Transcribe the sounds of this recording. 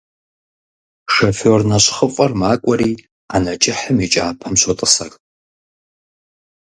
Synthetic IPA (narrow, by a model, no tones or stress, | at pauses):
ʂɐfoːrnɐɕχəfʼɐrmaːkʷʼɐɾiː | anɐt͡ʃʼɪħəmit͡ʃʼaːpʰɐmɕʷotʼəsɐr